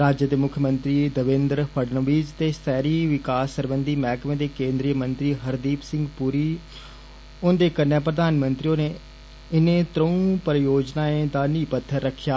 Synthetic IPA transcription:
ɾaːd͡ʒjəd̪eːmʊkʰːjəmənt̪ɾiːd̪əʋɪ̃nd̪ɾpʰəɖnəʋiːd͡ʒt̪eːsɛːɾiːʋɪkaːsːəɾbənd̪iːmɛːkʰmẽːd̪eːkẽːnd̪ɾiːjəmənt̪ɾiːɦəɾd̪iːpsɪ̃ŋɡpuːɾiː | ʊnd̪eːkənːɛ̃ːpɾəd̪aːnmənt̪ɾiːoːneː | ɪnẽːt̪ɾəũːpəɾjoːd͡ʒnaːẽːd̪aːniːpət̪ʰːəɾːəkʰːjaː

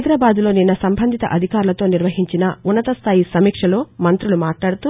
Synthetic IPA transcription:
d̪ɾaːbaːd̪ulo̞ːninːɐsɐmbʱɐnd̪ʱit̪ɐ̰ʔɐd̪ʱikaːɾulɐt̪o̞ːniɾʋɐɦiɲt͡ʃinɐunːɐt̪ɐst̪ʰaːjisɐmiːkʂɐlo̞ːmɐnt̪ɾulumaːʈlaːɽut̪u

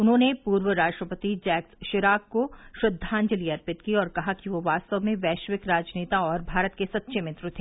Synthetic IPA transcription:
ʊnɦõːnepuːɾʋəɾaːʃʈɾəpət̪id͡ʒɛːksʃɪɾaːkkoʃɾʊd̪ʱːãːnd͡ʒəliɐɾpɪt̪kiɔːɾkɐɦakiʋoʋaːst̪əʋmẽʋɛːʃʋɪkɾaːd͡ʒneːt̪aɔːɾbʱaːɾət̪kesɐt̪ːʃʰemɪ̃t̪ɾʊt̪ʰeː

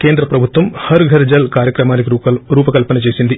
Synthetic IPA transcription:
keːnd̪ɾɐpɾɐbʱut̪ʋɐmhɐɾɡʱɐɾd͡ʒɐlkaːɾjɐkɾɐmaːnik̬iɾuːpɐkɐlpɐnɐt͡ʃe̞ːsind̪i

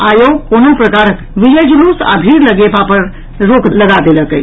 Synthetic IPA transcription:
aːjokonopɾəkaːɾ | ʋid͡ʒəjd͡ʒuluːsa̰bʱiːɾləɡepapəɾ | ɾokləɡad̪eləkəj

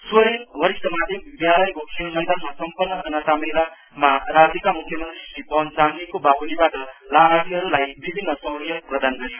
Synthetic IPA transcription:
swʌɾiɦʌɾit̪ʌmad̪ʱebid̪jalʌjkokʰelmʌjd̪ʱanmasʌmpʌnːʌd͡zʌnʌt̪amejla | maɾad͡zikamukʰjʌmʌnt̪risipʌnsamikobabunibaʈʌlaɦat̪iɦʌɾulajbibʱinːʌsʌwɾijʌprʌd̪ʱanɡʌɾijo

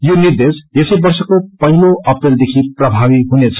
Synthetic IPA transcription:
jonird̪esjesʌjbʌrsʌkopʌɦiloʔʌpreld̪ekʰiprʌbʱabiɦunet͡sʰʌ

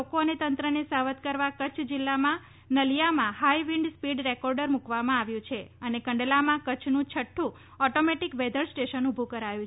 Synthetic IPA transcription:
okoənet̪ənt̪ɾənesaʋət̪kəɾʋakət͡ʃʰd͡ʒɪlːamã | nəljamãhajʋĩɳɖspiɖɾekɔɾɖəɾmukʋamãaʋjũt͡ʃʰeənekəɳɖlamãkət͡ʃʰnũt͡ʃʰəʈʰːũ | ɔʈomeʈikʋɛd̪ʱəɾsʈeʃənubʱukəɾajũ

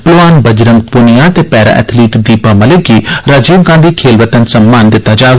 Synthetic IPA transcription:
pəlʋaːnbəd͡ʒɾəŋɡ̚punɪjãːt̪eːpɛːɾa̰ːʔɛ̰ːt̪ʰliːʈd̪iːpaməlekiːɾad͡ʒiːmɡãːnd̪iːkʰeːlʋət̪ənsəmːaːnd̪ɪt̪ːaːd͡ʒaːɡ

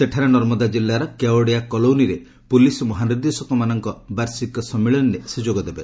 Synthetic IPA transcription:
seʈʰaɾenɔɾmɔd̪ad͡ʒilːaɾɔkaoɽiakɔlowniɾe | pulisɔmɔɦanid̪isɔkɔmanɔŋkɔbaɾsikɔsɔmːiɭɔnnesud͡ʒoɡɔd̪ebe

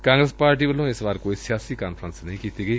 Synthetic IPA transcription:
kãːŋɡɾəspaːɾʈ̬iːʋəlõːɪsʋaːɾkoːiːsɪjaːsiːkaːnpʰɾənsnəĩkiːt̪iːɡəiː

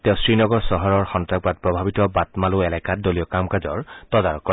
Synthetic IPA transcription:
tɛʊ̃sɹinɔɡɔɹsɔɦɔɹɔɹxɔntaɡ̚bat̚pɹɔbʱabitɔbatmalʊɛlɛkat̚dolijɔkamkazɔɹtɔdaɹɔkːɔ

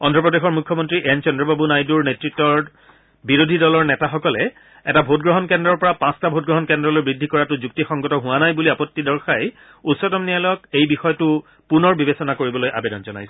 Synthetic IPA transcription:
ɔndʱɹɔpɹɔdexɔɹmukʰːɔmɔntɹiʔɛnt͡ʃɔndɹɔbabunajduɹnetɹitːɔɹ | biɹodʱidɔlɔɹnɛtaxɔkɔlɛ | ɛtabʱot̚ɡɹɔɦɔnkɛndɹɔɹpɔɹapãstabʱot̚ɡɹɔɦɔnkɛndɹɔlojbɹidʱːikɔɹatʊzuktixɔŋɡɔtɔɦʊwanajbuliapɔtːidɔɹxaj | utsɔtɔmnialɔjɔkejbixɔjɔtʊ | punɔɹbibesɔnakoɹibɔlojʔa̰bedɔnzɔna̰jsɛ̥

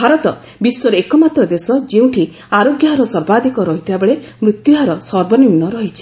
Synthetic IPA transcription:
bʱaɾɔt̪ɔ | biswɔɾekɔmat̪ɾɔd̪esɔd͡ʒeũʈʰi | aɾoɡjaɦɾɔsɔɾbad̪ikɔɾɔɦit̪ʰibabeɭe | mɾut̪juɦaɾɔsɔɾbɔniɾnːɔɾɔɦit͡ʃʰi̥

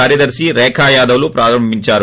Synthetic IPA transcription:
aːɾjɐd̪ɐɾsiɾɛːkʰaːjaːd̪ɐʋlupɾaːɾɐmbʱiɲt͡ʃaːɾu

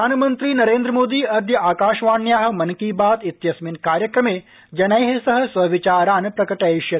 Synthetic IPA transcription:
aːnmɐnt̪ɾiːnɐɾeːnd̪ɾəmoːd̪iːɐd̪jɐaːkaːʃʋaːnjaːɦɐ̆mɐnkiːbaːt̪it̪jɐsminkaːɾjɐkɾɐmeː | d͡ʒɐnajɦesɐɦɐ̆sʋɐʋit͡ʃaːɾaːnpɾɐkɐʈajʃjɐt̪

